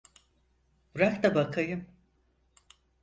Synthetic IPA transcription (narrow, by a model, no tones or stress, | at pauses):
bɾakt̪abakʰajɯm